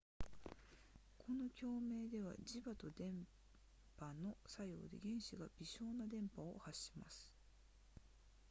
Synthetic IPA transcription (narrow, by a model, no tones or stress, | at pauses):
kʰo̞no̞kʲo̞ːme̞ːd̪e̞β̞a̰d͡ʑibat̪o̞d̪ẽ̞m | pano̞sajo̞̰ːd̪e̞̰ɡẽ̞ɰ̃ɕiɡabʲiɕo̞ːnad̪ẽ̞mpao̰haɕi̥masɨ̥